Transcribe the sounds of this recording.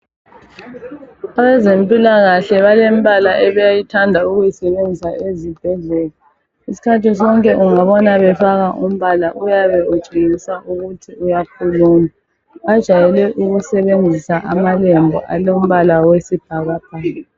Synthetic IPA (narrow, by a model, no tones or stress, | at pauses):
aβɛzempʼilaɣaɬɛβalem̩βalaʔɛβɛjajitʰandʱauɣujisɛβend͡zʱisaʔezib̥ʱɛɮɛla | isi̥kʰatis̬ɔŋkʼɛʔuŋaβɔnaβɛfaɣaʔum̩βalaʔujaβɛud̥ʒ̥ʱiɣisaʔuɣutʰiujakʰuluma | βad̥ʒ̥ʱajɛlɛʔuɣusɛβend͡zʱisaʔamalɛmbʱɔ̰ʔa̰lom̩βalawesib̥ʱaɣab̥̚ʱa